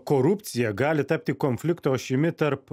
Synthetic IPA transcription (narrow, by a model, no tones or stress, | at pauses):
koɾʊpʲt̪sʲɪjɛɡɑːlʲɪt̪ɐpʲt̪ʲiːkɔnʲfʲlʲɪkt̪oːʃʲɪmʲɪt̪ɐɾp